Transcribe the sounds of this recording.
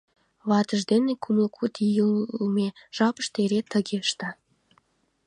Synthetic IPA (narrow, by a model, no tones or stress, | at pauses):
βɑt̪əʒd̪enekʰuməlkʰut̪ijəmeʒ̥ɑpə̥ʃt̪eɾet̪əɣeʃt̪ɑ